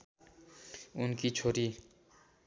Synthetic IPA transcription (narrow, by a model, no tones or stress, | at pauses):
ʊnkit͡ʃʰoːɾi